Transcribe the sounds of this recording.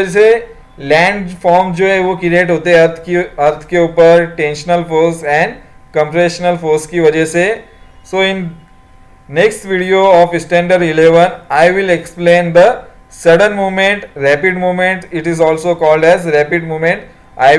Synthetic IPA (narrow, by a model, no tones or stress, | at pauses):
se | lɛ̃ːɳɖfɔːɾmd͡ʒoːɦɛ̃ʋokɪɾeːʈɦoːt̪eɦɛɐɾt̪ʰɐɾt̪ʰkeuːpəɾʈẽːnʃənəlfoːsɛ̃ːɳɖkə̃mpɾeʃənəlfoːskiʋɐd͡ʒəse | soːɪ̃n | neksʈʋiɖioɔːfɪsʈɛ̃ːɳɖəɾɖɪleʋənaɪʋɪleksplẽːnd̪ə | sɐɽə̃nmuːmẽɳʈɾæːpɪɖmuːmẽɳʈɪʈɪzɔːlsokɔːlɖɛzɾɛpɪɖmuːmẽɳʈ | a̰ɪ